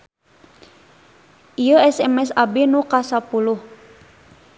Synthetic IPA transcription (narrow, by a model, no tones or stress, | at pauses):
ʔijəɛsɛmɛsabenukasapulʊh